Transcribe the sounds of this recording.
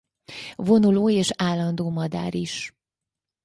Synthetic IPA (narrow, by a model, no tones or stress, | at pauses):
vo̞nuloːeːʃaːlːɒnd̪oːmɒd̪a̰ːɾiʃ